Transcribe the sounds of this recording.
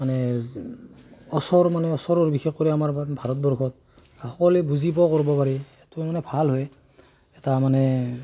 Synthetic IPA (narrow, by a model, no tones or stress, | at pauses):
manɛ | ɔsɔɹmanɛɔsɔɹɔɹbixexkoɹiamaɹbʱaɹɔt̚bɔɹkʰɔt̚ | axɔkɔlɛbuzipɔkoɹibɔpaɹiɛtʊmanɛbʱalɦoj | ɛtamanɛ